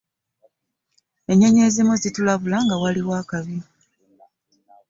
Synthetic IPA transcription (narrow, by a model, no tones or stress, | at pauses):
e̞ɲe̞ɲe̞zemuzitulaβulaŋɡawaliwaːkaβi